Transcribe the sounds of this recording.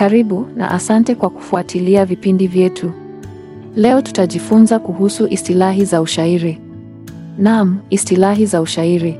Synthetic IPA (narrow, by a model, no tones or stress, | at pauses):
kaɾiɓuna̰ʔasantɛkwaku̥fuatʰiliavipindivjɛtʰu | lɛɔtu̥taʄifunzakuhusuʔistilaɦizauʃaiɾi | nam̩istilaɦizauʃaiɾi